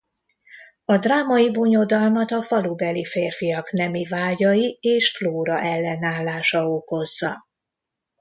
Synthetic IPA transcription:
ɒd̪raːmɒjiboɲo̞d̪ɒlmɒt̪ɒfɒlubɛlifeːrfijɒknɛmivaːɟɒjieːʃfloːɾɒʔɛlːɛnaːlːaːʃɒoko̞zːɒ

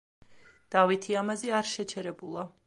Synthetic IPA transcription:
d̪̥avit̪ʰiamazɛaɾʃɛt͡ʃʰɛɾɛbulˠa

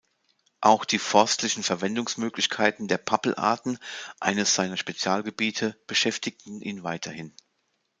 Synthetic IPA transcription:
ʔaʊxd̥iːfɔɐstʰlɪçn̩fɛɐvɛndʊŋsmøːklɪçkʰaɪtn̩deːɐpʰapl̩ʔa̰ɐtn̩ʔa̰ɪnəsz̥aɪnɐʃpet͡sjaːlɡəbiːtʰəb̥əʃɛftɪk̚tn̩ʔiːnvaɪtʰɐhɪn

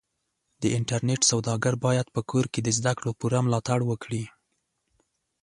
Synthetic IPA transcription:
d̪̥əɪɳʈaɾneʈsawd̪ɑɡaɾbɑjad̪̚pəkʰoɾked̪əzd̪akɽopuɾamlɑt̪aɽwəkɽi

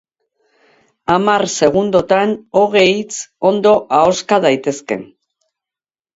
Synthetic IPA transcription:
amaɾse̞ɣ̞und̪o̞t̪ano̞ɣ̞e̞jt͡so̞nd̪o̞ʔao̞skaðajt̪e̞ske̞̰n

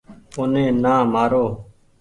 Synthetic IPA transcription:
ʊnẽːnãːmaːɾoː

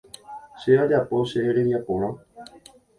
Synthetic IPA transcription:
ʃe̞ad͡ʒapo̞ʃeɾeʋjapõɾ̃ã

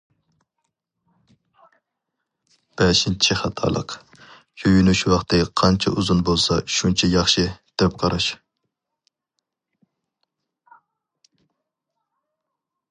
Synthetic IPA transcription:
b̥ɛʃint͡ʃʰiχɑt̪ʰɑ̰ːlˠə̰q | jøjynuʃwɑχt̪ɨqʰɑnt͡ʃʰɛuzunbolˠsɑʃunt͡ʃʰɛjɑχʃɨd̪̥ɪp̚qʰɑɾɑʃ

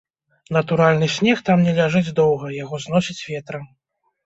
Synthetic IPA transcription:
n̪ɐt̪uɾalʲnɨsʲnʲɛxt̪amnʲɛlʲaʐɨd͡zʲd̪ɔwɣɐjaɣɔzn̪ɔsʲit͡sʲvʲɛt̪ɾɐ

